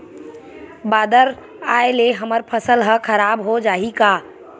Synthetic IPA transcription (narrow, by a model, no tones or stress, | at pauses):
baːd̪əɾ | aːeleɦəməɾpʰəsəlɦə̃kʰəɾaːbɦod͡ʒaːɦikaː